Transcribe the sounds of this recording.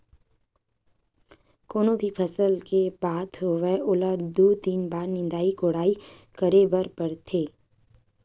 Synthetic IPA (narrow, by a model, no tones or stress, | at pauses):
koːnõbʱipʰɐsəlkebaːt̪ɦoʋeʔʊlad̪oːt̪iːnbaːɾnɪ̃nd̪aːikoːɽaːikəɾebəɾpəɾt̪ʰeː